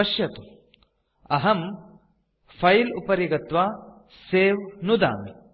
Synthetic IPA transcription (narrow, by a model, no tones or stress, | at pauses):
ɐʃjɐt̪u | ɐɦɐm | fʰɐjlupɐɾjɐɡɐt̪ʋaː | seːʋnud̪a̰ːmi